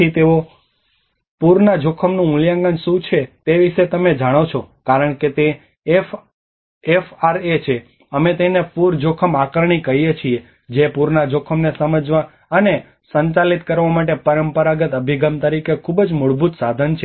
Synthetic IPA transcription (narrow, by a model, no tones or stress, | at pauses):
it̪eʋo | puɾnad͡ʒokʰəmnũʊljãŋɡənʃũt͡ʃʰet̪eʋiʃet̪əmed͡ʒaɽ̃ot͡ʃʰokaɾəɳ̃ket̪e | f | efaɾet͡ʃʰe | əmet̪enepuɾd͡ʒokʰəmakəɾɳ̃ikəɦijet͡ʃʰie | d͡ʒepuɾnad͡ʒokʰəmnesəməd͡ʒʋa | əne | səɲt͡ʃalit̪kəɾʋamaʈ̬epəɾəmpəɾaɡət̪əbʱiɡəmt̪əɾikekʰubd͡ʒmʊɭbʱut̪sad̪ʱənt͡ʃʰe